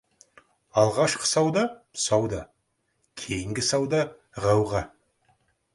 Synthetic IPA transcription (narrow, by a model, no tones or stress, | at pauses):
ɑlˠʁɑʃqə̥sɑwd̪ɑsɑwd̪ɑ | kʲʰe̞jɪŋɡʲɪsɑwd̪ɑ | ʁɑwʁɑ